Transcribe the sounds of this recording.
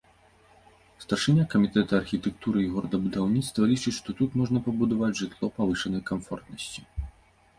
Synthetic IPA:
st̪ɐrʂɨnʲakɐmʲit̪ɛt̪ɐɐrxʲit̪ɛk̚t̪uɾɨiɣɔɾɐd̪ɐbud̪awnʲit̪st̪vɐlʲit͡ʂɨt͡ɕʲʂt̪ɔt̪ut̪mɔʐnɐpɐbud̪avad͡zʲʐɨt̪lˠɔpavɨʂɐnɐjkamfɔ̰rt̪nɐsʲt͡sʲi

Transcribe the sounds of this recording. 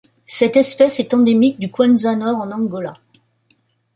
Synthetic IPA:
sɛt̪ɛspɛsɛt̪ɑ̃d̪emik̚d̪ykwɛ̃nzanɔʁɑ̃nɑ̃ɡɔla

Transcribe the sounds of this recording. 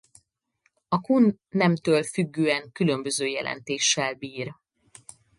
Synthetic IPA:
ɒkunːɛmt̪øːlfyɡːøːɛŋkylømbøzøːjɛ̰lʔɛ̰nt̪eːʃːɛlbiːr

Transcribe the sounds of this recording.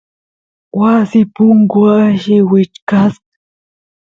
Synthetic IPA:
wasɪpʊŋɡʊaʃɪwɪt͡ʃkas

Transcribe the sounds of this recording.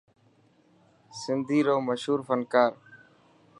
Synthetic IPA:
sɪnd̪ʱiːɾoːməʃɦuːɾfənkaːɾ

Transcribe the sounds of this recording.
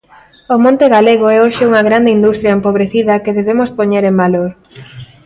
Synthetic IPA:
ʊmõnt̪eɣaleɣoɛoʃɪuŋɐɣɾand̪eind̪ust̪ɾjaempoβɾeθiðɐkeðeβemospoɲeɾembaloɾ

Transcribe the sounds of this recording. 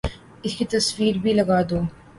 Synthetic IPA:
ɪskit̪ɐswiːɾbʱilɐɡaːd̪oː

